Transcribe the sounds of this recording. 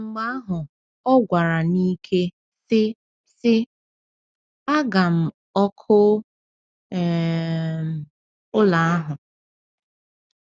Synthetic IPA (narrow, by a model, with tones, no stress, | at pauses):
ŋ͡m̩˨ɡ͡ba˦a˦ɦʊ˨ | ɔ˦ɡʷa˨ɾa˨ni˦kʰe˦ | sɪ˦ | sɪ˦ | a˦ɡa˨m̩˨ | ɔ˦kʰʊ˦˨ | ʊ˦la˨a˦ɦʊ˨